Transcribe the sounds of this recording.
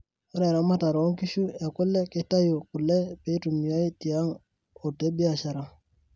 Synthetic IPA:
ɔ˦ɾɛ˨ɾa˨˦ma˦ta˨ɾɔ˨˦ŋki˦ʃu˦e˨kʊ˦lːɛ˦kɪ˦ta˦jo˨ku˨lɛ˦pe˦tu˨mi˨ja˦i˦ti˨a˦ŋ | o˨te˦bi˦a˨ʃa˨ɾa˨ŋ

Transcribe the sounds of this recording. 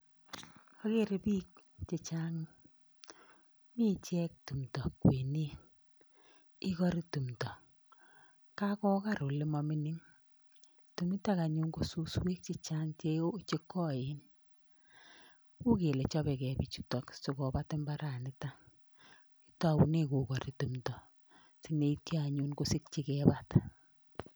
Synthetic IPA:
a˦ke˦ɾe˨pi˦k̚ | t͡ʃe˨t͡ʃa˦ŋ | mi˦t͡ʃɛ˦k̚tu˨mtɔ˨kwe˨ne˦ | i˦kɔ˦ɾi˦tu˨mtɔ˨ | ka˦kɔ˦ka˦˨ɾo˨le˦mɔ˨mi˦ni˦ŋ | tu˨mi˦ta˦ka˨ɲu˦ŋɡo˦su˦swe˦k̚t͡ʃe˦t͡ʃa˦ŋt͡ʃe˦o˦t͡ʃe˦kːɔ˦ɪ˦n | ku˦ke˨le˨t͡ʃɔ˦bɛ˨kɛ˨bi˨t͡ʃu˨tɔ˦kso˨kɔ˨ba˦tɪ˦mba˦ɾa˨nɪ˦ta˦ | i˦tɔ˨wu˨ne˦ko˨kɔ˨ɾi˨tu˨mtɔ˨ | si˦ne˦i˦tja˦a˨ɲu˦nko˦sɪ˦k̚t͡ʃi˦kɛ˦ba˦t

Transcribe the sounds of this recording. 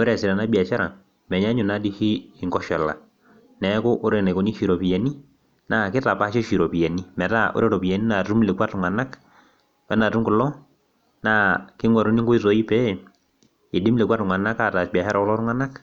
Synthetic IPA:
o˦ɾɛ˨sɪ˨ɾa˨na˦bi˨a˨t͡ʃɛ˦ɾa˨ | mɛ˨ɲa˦ɲʊ˨na˦di˦xiː˦˨ŋɡɔ˦ʃɛ˨la̰˨ | nɛ˨˦kʊ˦ʔʊ˦ɾe˨na˨ko˨˦ni˦ʃi˨ɾɔ˨pi˨ja˨ni˦ | na˦kɪ˦ta˨pa˦ʃɔ˦ʃi˨ɾɔ˨pi˨ja˨ni˦mɛ˨ta˦o̰˦ɾe˦ɾɔ˨pi˨ja˨ni˦na˨tu˦mle˨kwa˦tŋa˨na˦k | pɛ˦na˨tu˦mkʊ˨lɔ˦ | na˦kɪ˦ŋwɔ˨ɾu˦ni˦ŋɡo˦i˦sɔ˨˦i˦pɛ˦ | i˨di˦mle˨kwa˦tŋwa˨na˦ka˦˨ta˨bja˨ʃɛ˦ɾa˨kʊlɔ˦tŋwa˦na˦k

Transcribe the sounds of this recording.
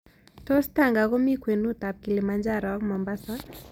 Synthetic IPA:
to˦sta˨ŋɡa˨kɔ˦mi˦kwe˨nu˦ta˨p̚ki˨le˨ma˨nd͡ʒa˦ɾɔ˨kmɔ˨mba˦sa˦

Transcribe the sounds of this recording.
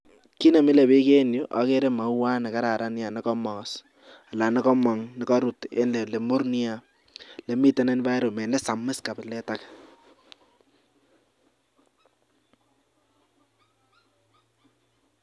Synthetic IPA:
ki˦ne˨mi˦le˨bi˦ke˦njo˦ʔa̰˨ke˦ɾe˦ma˨˦wa˦ne˨ka˦ɾa˨ɾʔa˦nja˨nɛ˦kɔ˦mɔ˨kɔ˨s | a˨la˨nɪ˦kɔ˦mɔ˨ŋnɪ˦kɔ˦ɾu˨tḛ˦nle˨le˨mo˦ɾni˦a˦ | le˨mi˦tɛ˦ne˦n˦ba˦jɾo˨mɛ˨nɛ˦sa˨mɪ˦ska˨pɪ˨lɛ˦ta˦k

